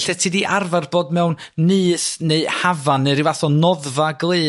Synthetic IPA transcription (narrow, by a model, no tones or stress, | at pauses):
ɬɛtʰiːdiʔarvarboːdmɛwnːɨːθneɨhavanːɨɾiwaθɔnɔðvaɡlˠeː